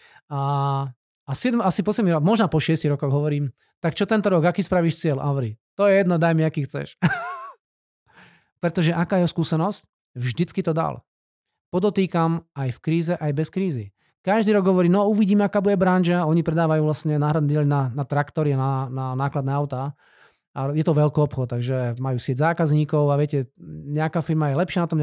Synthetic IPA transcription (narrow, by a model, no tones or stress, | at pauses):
a | asɪɛd̪masipɔsjɛd̪miɣɾɔkmɔʒnapɔʃɪɛsciɣɾɔkɔɣɦɔʋɔɾiːm | t̪akt͡ʃɔt̪ɛnt̪ɔɾɔɡakiːspɾaʋiːʃt͡sɪɛlʔa̰ɦɔʋɔɾit̪ɔjɛjɛd̪nɔd̪ajmɛakiːxt͡sɛ̰ʃ | pɾɛt̪ɔʒɛʔakaːjɛɦɔskuːsɛnɔsc | vʒd̪it͡skit̪ɔd̪a̰l | pɔd̪ɔt̪iːkamajfkɾiːzɛʔajbɛskɾiːzi | kaʒd̪iːɾɔɡɦɔʋɔɾiːnɔuʋiɟiːmɛakaːbuɟɛbɾanʒaɔɲipɾɛd̪aːʋajuːʋlasɲɛnaːɦɾad̪nɛɟɛlnanat̪ɾakt̪ɔɾianananaːklad̪nɛːaʊt̪a | ajɛt̪ɔʋɛlkiɔpxɔt̪̚t̪ːaɡʒɛmajuːsɪɛɟzaːkazɲiːkɔʊaʋɪɛcɛɲɛakaːfiɾmajɛlɛpʃɪanat̪ɔmɲ